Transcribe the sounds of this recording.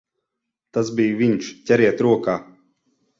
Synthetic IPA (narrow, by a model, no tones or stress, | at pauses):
t̪asbijviɲʃcʲɛɾiɛt̪ɾuɔkaː